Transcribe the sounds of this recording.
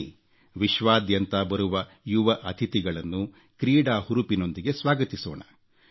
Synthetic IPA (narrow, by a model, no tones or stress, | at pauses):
ʋiʃʋaːd̪jɐnt̪ɐbɐɾuʋɐ | juʋɐʔɐt̪ʰit̪iɡɐɭɐnːu | kɾiːɖaːhuɾupino̞nd̪iɡe̞sʋaːɡɐt̪isoːɳɐ̰